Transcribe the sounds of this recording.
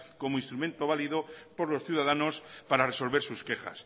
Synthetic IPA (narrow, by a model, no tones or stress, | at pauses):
ko̞moinst̪ɾument̪oβ̞aliðopoɾlo̞sθjuðað̞anospaɾareso̞lβe̞ɾsuske̞xa̰s